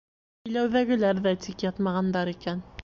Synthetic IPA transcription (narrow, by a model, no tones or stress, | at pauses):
ɘ̆jlæwðæɡɘ̆læɾðæt̪ikjɑt̪mɑʁɑnd̪ɑɾikæn